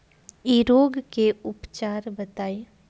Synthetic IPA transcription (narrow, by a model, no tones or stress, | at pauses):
iɾoːɡkeʊpt͡ʃaːɾbət̪aːe